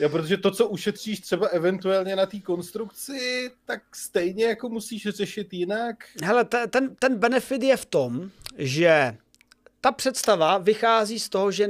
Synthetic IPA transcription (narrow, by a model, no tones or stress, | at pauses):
jopɾot̪oʒɛt̪o̞t͡so̞ʔuʃɛt̪r̝̥iːʃt̪r̝̥ɛbaʔɛvɛnt̪uɛlɲɛnat̪iːko̞nst̪ɾukt͡sɪt̪ak̚st̪ɛjɲɛjako̞musiːʃr̝ɛʃɪt̪jɪnakɦɛlɛt̪ɛt̪ɛnt̪ɛnbɛnɛfɪt̪jɛft̪o̞mʒɛ | t̪apr̥ɛt̪st̪avavɪxaːziːst̪o̞ɦoʒɛ